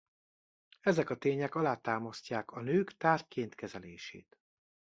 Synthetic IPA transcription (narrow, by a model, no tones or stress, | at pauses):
ɛzɛkɒt̪eːɲɛkɒlaːt̪aːmɒscaːkɒnøːkt̪aːrkeːnt̪kɛzɛleːʃḛːt̪